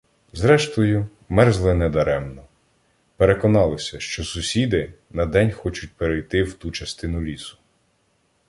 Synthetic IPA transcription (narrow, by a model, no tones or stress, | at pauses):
zɾɛʃt̪ɔjʊ | mɛrzlˠɪnɛd̪ɐɾɛmnɔ | peɾekɔnɑlˠɔsʲɐʃt͡ʃɔsʊsʲid̪ɪ | nɐd̪ɛnʲxɔt͡ʃʊt̚ʲpeɾejt̪ɪwt̪ut͡ʃɐst̪ɪnʊlʲisʊ̥